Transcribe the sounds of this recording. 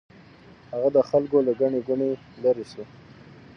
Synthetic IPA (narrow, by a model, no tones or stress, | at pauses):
haɣad̪əxalkolaɡaɳeɡʊɳe | laɾisu